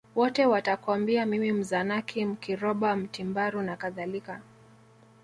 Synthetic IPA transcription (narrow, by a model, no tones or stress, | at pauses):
wɔtɛwatakwambiamimim̩zanakʰim̩kiɾɔɓam̩timbaɾunakaðalika